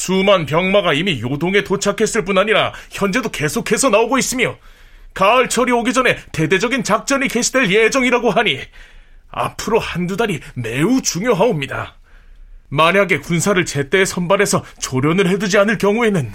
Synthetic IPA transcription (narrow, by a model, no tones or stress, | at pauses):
sumanpjʌŋmaɡaimijodoŋe̞tot͡ɕʰakʰe̞s͈ɯɭp͈unaɲiɾaçjʌnd͡ʑe̞doke̞sʰokʰe̞sʰʌnaoɡois͈ɯmjo | kaʌɭt͡ɕʰʌɾioɡid͡ʑʌne̞te̞de̞d͡ʑʌɡint͡ɕak̚t͡ɕ͈ʌnike̞ɕʰi̥dweɭje̞d͡ʑʌŋiɾaɡoɦaɲi | a̰pʰɯɾohandudaɾime̞ut͡ɕuŋjoɦaomɲida̰ | maɲaɡe̞kunsʰaɾɯɭt͡ɕe̞t͈e̞sʰʌnbaɾe̞sʰʌt͡ɕoɾjʌnɯɭhe̞dud͡ʑianɯɭkjʌŋue̞nɯn